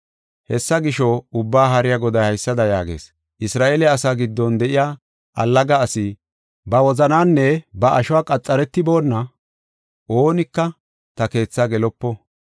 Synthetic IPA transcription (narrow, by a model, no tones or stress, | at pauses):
hɛsːɐɡɪʃɔʊbːaːɦɐɾɪjaɡɔd̪ɐjhɐjsːɐd̪ɐja̰ːɡḛːs | ʔɪsɾaːʔeːlɛɐsaːɡɪd̪ːɔnd̪ɛʔɪjaː | ʔɐ̰lːɐɡɐːsɪ | bɐwɔzɐnaːnːɛbɐʔɐʃʊwaːkʼɐt͡sʼːɐɾɛt̪ːɪbo̞ːnːɐ | ʔo̞ːnɪkːɐ | t̪ɐke̞ːt͡sːaɡɛlɔpːɔ